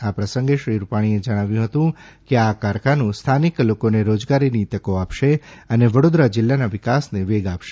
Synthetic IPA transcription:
apɾəsəŋɡeʃɾiɾupaɽ̃ied͡ʒəɽ̃aʋjũɦət̪ũ | keakaɾkʰanũst̪ʰaniklokoneɾod͡ʒɡaɾinit̪əkoapʃeəneʋəɽod̪ɾad͡ʒɪlːanaʋɪkasneʋeɡapʃe̥

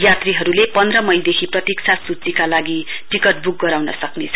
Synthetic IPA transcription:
jat̪riɦʌɾulepʌnd̪rʌmʌjd̪ekʰiprʌt̪ik̚t͡sʰasut͡sikalaɡi | ʈikʌʈ̚buk̚ɡʌɾawnʌsʌknet͡sʰʌ

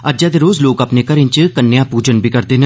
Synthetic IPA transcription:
əd͡ʒaːd̪eːɾoːzloːkapneːkəɾɪnt͡ʃkənːjãːpuːd͡ʒənbʱiːkəɾd̪eːɦə̃

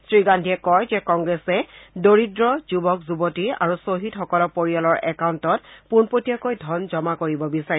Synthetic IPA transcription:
sɹiɡandʱiɛkɔjzɛkɔŋɡɹɛsɛdoɹidɹɔzubɔkzubɔtiɹa̰ɹusoɦitxɔkɔlɔpoɹijɔlɔɹɛkawntɔtpunpotiakojdʱɔnzɔmakoɹibɔbisaɹi

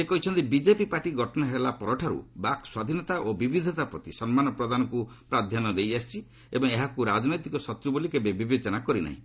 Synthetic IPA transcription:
d͡ʒekɔɦit͡ʃʰɔnt̪ibid͡ʒepipaɾʈiɡʱɔʈɔnaɦelapɔɾɔʈʰaɾṵbakswad̪ʱinɔt̪aʔobibid̪ʱɔt̪apɾɔt̪isɔnmanɔpɾɔd̪anɔkupɾad̪ʱjanɔd̪ejast͡ʃʰi | ḛbɔŋeɦakuɾad͡ʒnɔjt̪ikɔsɔt̪ɾubulikebebibet͡ʃɔnakɔɾina̰ɦḭ̃

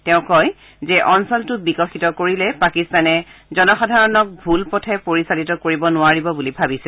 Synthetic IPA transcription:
tɛʊ̃kɔj | zɛʔɔnsɔltʊbikɔxitɔkoɹilɛpakistanɛzɔnɔxɔdʱaɹɔnɔk̚bʱulpɔtʰɛpoɹisalitɔkoɹibɔnʊaɹibɔbulibʱabisɛ

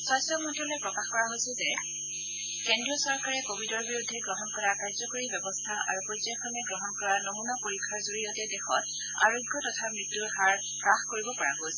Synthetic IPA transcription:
swajsɔmɔntɔlɔjpɹɔkaxkɔɹaɦojsɛzɛ | kɛndɹijɔsɔɹkaɹɛkobʱidɔɹbiɹudʱːɛɡɹɔɦɔnkɔɹakaɹzɔkoɹibɛbɔstʰaʔa̰ɹupɔtjaxʰɔmɛɡɹɔɦɔnkɔɹanomunapoɹikʰːaɹzoɹijɔtɛdɛxɔt | a̰ɹoɡʱːjɔtɔtʰamɹitːuɹhaɹ | pɹaxkoɹibɔpaɹaɡojsɛ

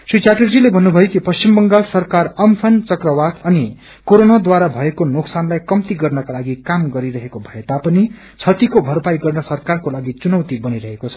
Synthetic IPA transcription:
sit͡ʃaʈʌrd͡zilebʱʌnːubʱʌjokipʌst͡ʃimbʌŋɡalsʌrkarʌmpʰʌnt͡sʌkrʌwat̪ʌni | koɾonad̪waɾabʱʌekonoksanlajkʌmt̪iɡʌrnʌkalaɡikamɡʌɾiɾʌɦekobʱʌet̪apʌni | t͡sʰʌt̪ikobʱʌrpajɡʌrnʌsʌrkarkolaɡit͡sunʌwt̪ibʌniɾʌɦekot͡sʰʌ̥

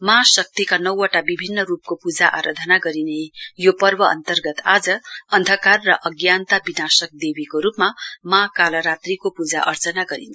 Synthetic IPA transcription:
masʌk̚t̪ikanʌwʌʈabibʱinːʌɾup̚kopud͡zaʔa̰ɾʌd̪ʱʌnaɡʌɾinejopʌrbʌʌ̰nt̪ʌrɡʌt̪ad͡zʌʌnd̪ʱʌkarːʌʔʌɡjant̪abinasʌk̚d̪ebikoɾupmamakalʌɾat̪rikopud͡za̰ʔʌ̰rt͡sʌnaɡʌɾḭn

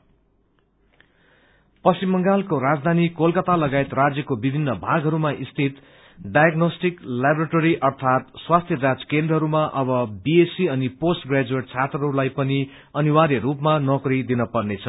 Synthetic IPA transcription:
pʌsimːʌŋɡalkoɾad͡zd̪ʱanikolkʌt̪alʌɡajet̪rad͡zjʌkobibʱinːʌbʱaɡʱɦʌɾumaʔist̪ʰit̪ | ɖajaɡnosʈiklabɾaʈoɾiʔʌrt̪ʰat̪swast̪ʰjʌd͡zad͡zkẽnd̪rʌɦʌɾumaʔʌbʌbiesiʌniposʈɡrad͡zuweʈt͡sʰat̪rʌɦʌɾulajpʌni | ʌniwaɾiɾupmanʌkrid̪inʌpʌrnet͡sʰʌ

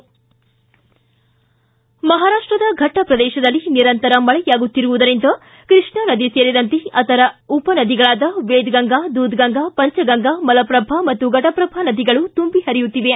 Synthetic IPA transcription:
mɐɦaːɾaːʂʈɾɐd̪ɐɡʱɐʈːɐpɾɐd̪ɛːʃɐd̪ɐlːiniɾɐnt̪ɐɾɐmɐɭɛjaːɡut̪ːiɾuʋud̪ɐɾind̪ɐ | kɾiʂɳɐnɐd̪iseːɾid̪ɐnt̪eɐt̪ɐɾɐupɐnɐd̪iɡɐɭaːd̪ɐʋeːd̪ɡɐŋɡad̪uːd̪ɡɐŋɡapɐɲt͡ʃɐɡɐŋɡamɐlɐpɾɐbʱamɐt̪ːuɡɐʈɐpɾɐbʱanɐd̪iɡɐɭut̪umbihɐɾijut̪ːiʋe

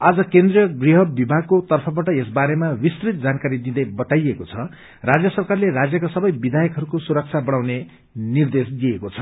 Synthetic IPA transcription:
ad͡zʌkend̪rijʌɡriɦʌbibʱaɡ̚kot̪ʌrpʰʌbaʈʌesbaɾemawist̪rit̪̚d͡zankaɾid̪id̪ʌjbʌt̪ajekot͡sʰʌ | rad͡zjʌsʌrkarlerad͡zjʌkasʌbʌjbid̪ʱajʌkɦʌɾukosuɾʌk̚t͡sʰabʌɽ̃awne | nird̪esɡiekot͡sʰʌ

